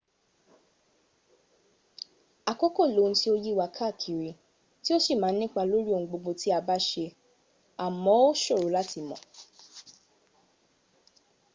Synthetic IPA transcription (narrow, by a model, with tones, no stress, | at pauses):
a˨ko˦ko˦˨lo˨˦˧n̩˦ti˧˦o˧ji˦˨wa˧kʰa˦˨kʰi˨ɾi˧ | ti˦o˦si˦˨mãː˨˦nĩ˦k͡pa˧lo˦ɾi˦õ˧˨˧ɡ͡bo˧ɡ͡bo˧ti˦a˧ba˦ʃe˧ | a˨mɔ̃˨˦o˦ʃo˦˨ɾo˨˦la˦ti˨˧˨mɔ̃˨